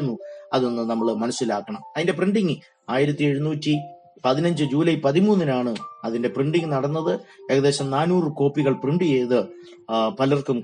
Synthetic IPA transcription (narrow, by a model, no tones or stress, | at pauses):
nːuɐðo̞nːɨnɐmːɐɭmɐnɐsːilaːkːɐɳɐmɐðinde̞priɳɖiŋɨ | aːjiɾɐt̪ːie̞ɻunuːtːi | pɐðinɐɲd͡ʑɨd͡ʑuːlɐjpɐðimuːnːinaːɳɨɐðinde̞priɳɖiŋnɐɽɐnːɐðɨe̞ɣɐðe̞ːɕɐmnaːnuːrɨko̞ːpːiɣɐɭpriɳɖijejðɨ | pɐlɐrkum